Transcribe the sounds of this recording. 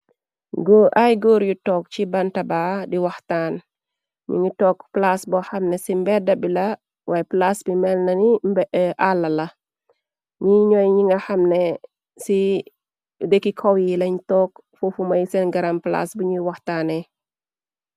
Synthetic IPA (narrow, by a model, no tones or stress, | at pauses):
ɡoʔajɡoːɾjutɔːk̚t͡ʃibɐntɐbaːdiwɐxtaːn | ɲṵɲutɔːkplasbɔxɐmnɛsimbɛdɐbilɐ | wʔaːjɛplasbimɛlnɐnimbɛʔalːɐlɐ | ɲiɲɔjɲiŋɡɐxɐmnɛ | si | dəkːikʰɔwjilɐɲitɔk | fufumɐjsɛnɡɐɾɐmpla̰sbuɲuwɐxtaːnɛ